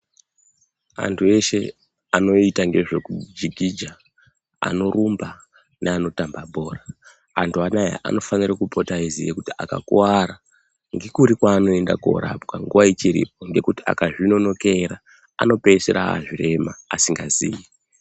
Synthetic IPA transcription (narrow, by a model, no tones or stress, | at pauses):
a̰ntʰue̞ʃe̞ | ano̞itaŋɡe̞ʐe̞kud͡ʒiɡʱid͡ʒa | a̰no̞rumba | neano̞tambabʱo̞ːraː | ntʰuanaja̰ʔa̰no̞fanirakupotaizijekutia̰ka̰kuwaɾa | ŋɡe̞kuɾikwaːno̞e̞ndako̰ɾa̰pkaŋɡuʋait͡ʃiɾḭp̚o̞ŋɡe̞kutia̰kaʐino̞no̞keɾa | a̰no̞pe̞seɾa̰ɦa̰ʐire̞ma̰ːsiŋɡaziːji